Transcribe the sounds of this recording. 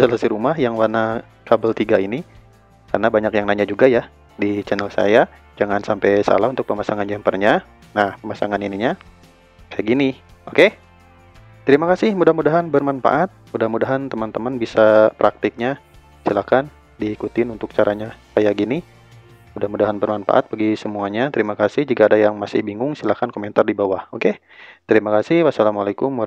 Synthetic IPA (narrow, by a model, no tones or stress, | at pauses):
sələsiɾumaɦjaŋwana | kabəlt̪iɡaini | karnabaɲakjaŋnaɲad͡ʒuɡaja | dit͡ʃɛnəlsa̰ja | d͡ʒaŋansampɛjsa̰laɦunt̪ʊk̚pəmasaŋand͡ʒɛmpərɲa | nahpəmasa̰ŋaniniɲa | kajaɡini | oke | t̪əɾimakasɪhmudahmudaɦanbərmanfa̰ʔat̪̚mudahmudaɦant̪əmant̪əmanbisapɾʔak̚t̪ɪk̚ɲa | silakan | diːkut̪ɪnunt̪ʊk̚t͡ʃaɾʔaɲakajaɡini | mudahmudaɦanbərmanfa̰ʔa̰t̪̚pəɡisəmuaɲat̪əɾimakasɪhd͡ʒuɡaːdajaŋmasɪhbiŋʊŋsilakankoment̪ardibawahoke | t̪əɾimakasɪhwasalamalakʊm